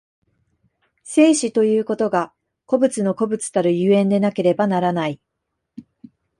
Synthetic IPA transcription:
se̞ːɕit̪o̞jɯ̟ːko̞t̪o̞ɡa | ko̞bɯ̟t͡sɨno̞ko̞bɯ̟t͡sɨ̥t̪aɾɯ̟jɯːẽ̞nd̪e̞nake̞ɾe̞banaɾanai

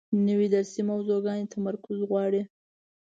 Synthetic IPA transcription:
nəwid̪aɾsimawzoɡɑnet̪ʰamaɾkʊzɣwɑɽi

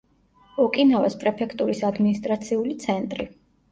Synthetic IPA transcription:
ɔkʼinɔvɛspʼɾɛpʰɛkʰt̪ʼuɾisad̪minist̪ʼɾat̪sʰiulit̪sʰɛnt̪ʼɾi

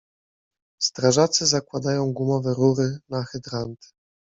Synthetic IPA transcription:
st̪ɾaʐat̪sɘzakwad̪ajɔ̃w̃ɡwumɔvɛɾuɾɘnaxɛd̪ɾant̪ɘ̥

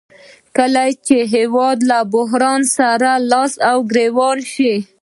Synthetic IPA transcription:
kəlajt͡ʃeɦewɑd̪labʊɦɾɑnsaɾalɑsawɡɾewɑɾʃi

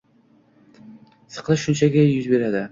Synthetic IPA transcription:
sɨ̥qlˠaʃʊnt͡ʃʰaɡʲajʊzbe̞ɾad̪ɪ

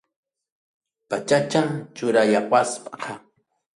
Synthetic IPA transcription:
pat͡ʃat͡ʃat͡ʃʊɾajawaspḁqʰɑ

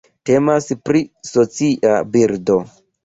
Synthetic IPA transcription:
te̞maspɾiso̞t͡siʔabiɾdo̞

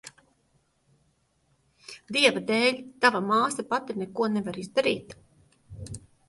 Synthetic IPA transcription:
d̪iɛvad̪ɛːlʲt̪avamaːsapat̪inɛkuɔnevaɾizd̪aɾiːt̪

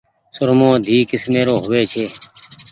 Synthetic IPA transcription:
sʊɾmõːd̪ʱiːkɪsmeːɾoːɦʊʋeːt͡ʃʰeː

